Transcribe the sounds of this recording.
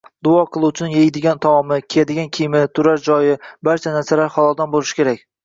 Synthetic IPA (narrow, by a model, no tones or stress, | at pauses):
d̪ʊɒqʰɨlˠut͡ʃʰɪnɪŋjejd̪ɪɡʲant̪ʰɒwɒmɪkʲʰejad̪ɪɡʲankʲʰijmɪt̪ʰʊɾaɾd͡ʒɒjɪbaɾt͡ʃʰanaɾsalaɾhɒlˠɒlˠd̪anbolˠɪʃɪ̥kʲʰe̞ɾakʲ